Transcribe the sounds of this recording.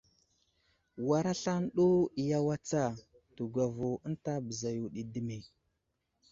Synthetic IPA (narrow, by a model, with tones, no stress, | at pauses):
wa˨ɾa˦ɬa˦nɗo˦i˨ja˦wa˦t͡sa˦˨ | tu˨ɡʷa˨vu˨ə˦n˦ta˦bə˨za˨ju˨ɗi˨də˦mi˨